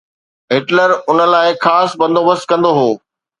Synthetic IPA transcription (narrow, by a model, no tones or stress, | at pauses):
ɦɪʈləɾʊnə̆laːɪxaːsbɐ̃nd̪oʋəskɐ̃nd̪oɦoː